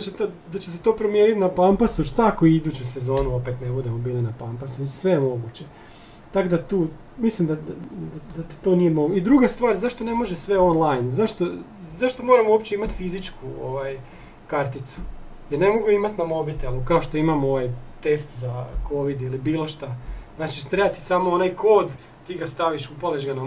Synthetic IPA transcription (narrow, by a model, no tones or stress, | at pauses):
d̪t͡ɕet̪o | d̪at͡ɕes̬et̪o̞ːpɾo̞mje̞ːnit̪napampasuʃt̪akoid̪uːt͡ɕujse̞zo̞ːnuo̞pe̞t̪nebud̪emobiːlinapampasusʋe̞jemo̞ɡut͡ɕe̞ | t̪akod̪at̪uː | mislimd̪ad̪ad̪ad̪at̪i̥t̪o̞ːnije̞mo̞ɡuid̪ɾuɡast̪ʋaːɾzaʃt̪o̞ne̞mo̞ʒesʋe̞o̞nlˠajnzaʃt̪o̞ | zaʃt̪o̞mo̞ːɾamuopt͡ɕe̞imat̪fizit͡ʃkʰuoʋaj | kaɾt̪it̪su̥jeɾne̞mo̞ɡuimat̪namo̞bit̪elˠukao̞ʃt̪o̞imamo̞ʋajt̪e̞st̪zakʰo̞ʋid̪ilibiːlˠo̞ʃt̪aznaːt͡ʃit̪ɾebat̪i̥samo̞onajkʰo̞ːd̪ | t̪iːɡast̪aʋiʃupaleʒɡana